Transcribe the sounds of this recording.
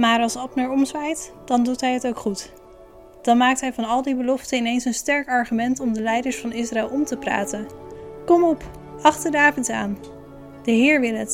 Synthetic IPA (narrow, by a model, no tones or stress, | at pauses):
maːɹɑlˠsɑpnəɹɔmzʋɛjtd̥ɑndutɦɛjɦətowkχut | d̥ɑnmaːk̚tɦɛjvɑnɑlˠdibəlɔftəɪnejnsənstɛɹkɑɹχymɛntɔmdəlɛjdəɹsfɑnɪsraɛlˠɔmtəpra̰ːtənkɔmɔp | ɑχtədaːpənsa̰ːn | d̥əɦɪːɹʋɪlˠət